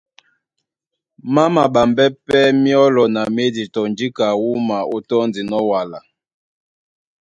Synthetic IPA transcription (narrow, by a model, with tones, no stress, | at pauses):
ma˦ma˨ɓa˨mbɛ˦pɛ˦mi˦ɔ˦lɔ˨na˨me˦di˨tɔ˨nd͡ʒi˦ka˨wu˦ma˨o˦tɔ˦ndi˨nɔ˦wa˨la˨